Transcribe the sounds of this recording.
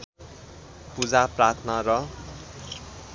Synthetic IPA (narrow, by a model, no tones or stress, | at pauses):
pud͡zaprat̪ʰnʌɾʌ